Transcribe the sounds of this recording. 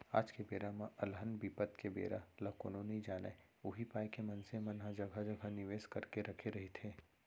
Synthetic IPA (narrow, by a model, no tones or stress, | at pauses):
a̰ːd͡ʒkebeːɾamãʔɐlɦənbiːpət̪kebḛːɾa̰lɐko̰ːnõnɐid͡ʒaːne | ʊɦipaːjkemɐnsemɐnɦad͡ʒɐɡʱad͡ʒɐɡʱanɪʋeːskɐɾkeɾɐkʰeɾɐɦet̪ʰeː